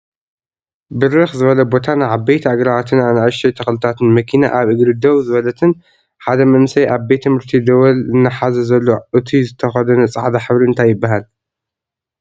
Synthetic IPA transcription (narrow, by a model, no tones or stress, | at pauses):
bɨɾɨxzɨβɐlɐbo̞t̪ʰanaʕaβbejt̪ʰaɡɾaβat̪ʰɨnanɨʕaʃɐjt̪ʰɐxlɨt̪ʰat̪ʰɨnmɐkʰinaʔaβʔɨɡɾɨd̪ɐwzɨβɐlɐt̪ʰɨn | ħad̪ɐmɐnsɐjʔaβbet̪ʰːɨmɨɾt̪ʰid̪ɐwɐlɨnːɐħazɐzɐlːo̞ʔɨt̪ʰizɨt̪ʰɐxɐd̪ɐnɐt͡sʼa̰ʕd̪aħɨβɾiɨnt̪ʰajːɪbːaɦal